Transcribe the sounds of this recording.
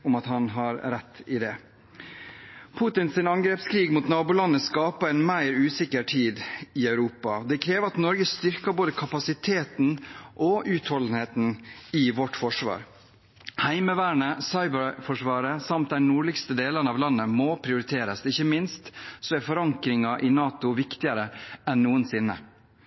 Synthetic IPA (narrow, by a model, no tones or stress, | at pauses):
ʊmɑt̪hɑnɦɑɾɾɛt̪ːɪd̪ɛ | pʰut̪ɪnsɪnɑŋɡɾɛːpskʰɾiːɡmut̪nɑːbulɑnːəskɑːpəɛnmæɪɾʉːsɪkːəɾʈʰiːd̪ɪœʉɾuːpɑd̪ɛkʰɾeːʋəɾɑt̪nɔɾɡəst̪ʏɾkəboːd̪əkʰɑpɑsɪt̪ʰeːt̪nʔɔʔʉːt̪hɔln̩heːt̪n̩ɪʋɔʈːfɔʂʋɑ̰ːɾ | hæɪməʋæːɳəsɑɪbəɾfɔʂʋɑːɾəsɑmt̪̚d̪ɛnuːɭɪkst̪əd̪eːlənəɑːʋlɑnːəmɔpʰɾɪʊɾɪt̪ʰeːɾəsɪçːəmɪnst̪sɔæɾfɔɾɑŋkɾɪŋɑʔɪnɑːt̪ʊʋɪkt̪ɪəɾəɛnːuːənsɪnːə̰